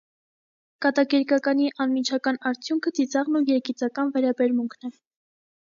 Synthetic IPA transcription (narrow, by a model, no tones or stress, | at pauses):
kɑt̪ɑɡɛɾkɑkɑniʔɑnmit͡ʃʰɑkɑnɑɾt͡sʰjuŋkʰət͡sit͡sɑʁnujɛɾkit͡sɑkɑnvɛɾɑbɛɾmuŋkʰnɛ